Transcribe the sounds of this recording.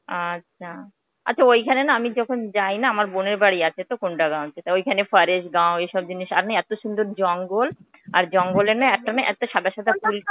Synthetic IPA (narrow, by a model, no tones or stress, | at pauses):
atːɕʰa | a̰ːɕʰaojkʰanenaamid͡ʑɔkʰond͡ʑajnaamaɾboneɾbaɽiat͡ɕʰet̪okonɖaɡãɦot͡ɕʰet̪aojkʰanefaɾeʃɡãw̃ejʃɔb̚d͡ʑiniʃa̰ɾnajɛt̪oʃund̪oɾd͡ʑɔŋɡol | aɾd͡ʑɔŋɡoleɾnajɛk̚ʈanaʔɛ̰k̚ʈaʃad̪aʃad̪ʱapul